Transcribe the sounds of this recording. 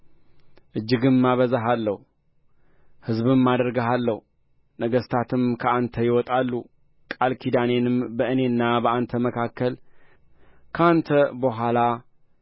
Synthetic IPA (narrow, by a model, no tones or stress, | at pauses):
ʔɨd͡ʒːɨɡɨnmːaβəzaɦalːəhu | hɨzbɨmːad̪əɾɡəɦalːəhu | nəɡəst̪ʰat̪ʰɨmkʰəant̪ʰəjɪwɔt̪ʼalːu | kʼalkʰid̪ane̞nɨmbəʔɨne̞nːabəʔant̪ʰəməkʰakʰːəl | kʰəant̪ʰəbəɦʷala